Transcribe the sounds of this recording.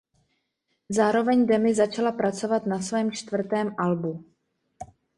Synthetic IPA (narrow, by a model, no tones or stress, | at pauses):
zaːɾo̞vɛɲdɛmɪzat͡ʃalapɾat͡so̞vat̪nasvɛːmt͡ʃt̪vr̩t̪ɛːmʔalbu